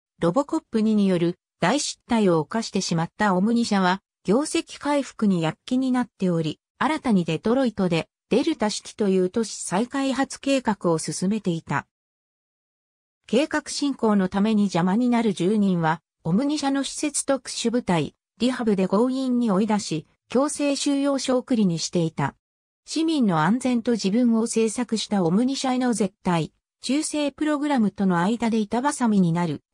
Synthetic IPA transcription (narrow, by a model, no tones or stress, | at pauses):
ɾo̞bo̞ko̞pːɯ̟ɲ̟iɲ̟ijo̞ɾɯ̟ | d̪̥aiɕi̥t̪ːaio̞ːkaɕi̥t̪e̞ɕimat̪ːao̞mɯ̟ɲ̟iɕaβ̞a | ɡ̥ʲo̞ːse̞kʲi̥kaiɸɯ̥kɯ̟ɲ̟ijakʲːiɲ̟inat̪ːe̞o̞ɾʲi | aɾat̪aɲ̟id̪e̞t̪o̞ɾo̞it̪o̞d̪e̞ | d̪̥e̞ɾɯ̟t̪aɕi̥kʲi̥t̪o̞jɯ̟ːt̪o̞ɕi̥saikaiɦat͡sɨ̥ke̞ːkakɯ̟o̞sɨsɨme̞t̪e̞it̪a̰ | ke̞ːkakɯ̟̥ɕĩŋko̞ːno̞t̪ame̞ɲ̟id͡ʑamaɲ̟inaɾɯ̟ʑɨːɲ̟ĩɰ̃βa | o̞mɯ̟ɲ̟iɕano̞ɕi̥se̞t͡sɨ̥t̪o̞kɯ̟̥ɕɨbɯ̟t̪ai | ɾʲihabɯ̟d̪e̞ɡo̞ːĩɲ̟ːio̞id̪aɕi | kʲo̞ːse̞ːɕɨːjo̞ːɕo̞ːkɯ̟ɾʲiɲ̟iɕi̥t̪e̞it̪a̰ | ɕimʲĩnːo̞ãnd͡zẽ̞nt̪o̞ʑibɯ̟̃ɰ̃o̞se̞ːsakɯ̟ɕi̥t̪ao̞mɯ̟ɲ̟iɕaeno̞ze̞t̪ːai | t͡ɕɨːse̞ːpɯ̟ɾo̞ɡɯ̟ɾamɯ̟t̪o̞no̞aid̪ad̪e̞it̪abasamʲiɲ̟inaɾɯ̟